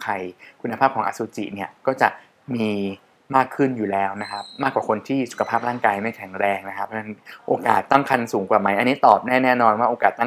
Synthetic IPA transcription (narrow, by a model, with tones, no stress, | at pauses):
kʰa˧˩jkʰu˧nːa˧pʰaː˥˩p̚kʰɔː˩˦ŋʔa̰˧˩suː˨˦t͡ɕḭ˨˩ʔni˥˩ɐkɔː˥˩t͡ɕa˨˩ʔ | miː˧ | maː˥˩kʰːɯ˥˩njuː˨˩lɛː˦˥wna˦˥kʰa˦˥p̚maː˥˩kwaː˨˩kʰo˧nt̪ʰiː˥˩su˨˩kʰa˧pʰaː˥˩p̚ɾaː˥˩ŋkaː˧jma˥˩jkʰɛ˨˩˦ŋɾɛː˧ŋna˦˥kʰa˦pʰɾɔ˥na˦˥nʔoː˧ka̰ː˨˩t̪ːa˥˩ŋkʰa˧nsuː˩˦ŋkwaː˨˩ma˦˥jʔa˧nːi˦˥t̪ɔː˨˩p̚nɛː˥˩nɛː˥˩nɔː˧nwaː˥˩ʔoː˧kaː˨˩t̪ːa˥˩